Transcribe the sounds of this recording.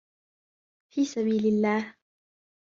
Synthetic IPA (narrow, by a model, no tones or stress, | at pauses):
fiːsaβiːlɪlːaːh